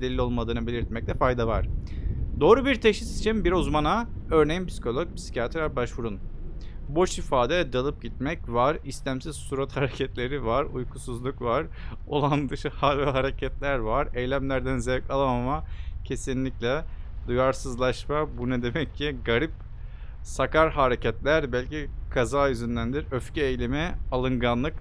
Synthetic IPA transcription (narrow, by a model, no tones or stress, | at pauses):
d̪elʲːio̞lˠmad̪ɯːnɯbe̞lʲiɾt̪̚mɛc̪̚ʲɛfajd̪avaɾ̥d̪o̞ːɾubiɾt̪ʰeʃisi̥t͡ʃʰimbiɾuzmana | øɾnejinpʰisi̥kʰo̞lˠok̚pʰi̥si̥cat̪ʰɾaɾbaʃvuɾunbo̞ʃifaːd̪ɛd̪alˠɯp̚ɟit̪̚mɛcvaɾist̪ʲæmsiz̥suɾat̪haɾecʰɛt̪lʲe̞ɾivaɾujkʰusuzlˠukvaɾ̥ | o̞lˠand̪ɯʃɯhavɛɦaɾecʰɛt̪lʲæɾvaɾejlʲæmlʲæɾd̪ænzɛvkalˠamamacʰe̞sinlʲiclʲɛd̪ujaɾsɯzlˠaʃmabunɛd̪e̞mɛcʰːiɡaɾip | sakaɾɦaɾecɛt̪lʲæɾbælʲcikʰazaːjyzynd̪ænd̪iɾøfcɛejlʲemialˠɯŋɡanlˠɯk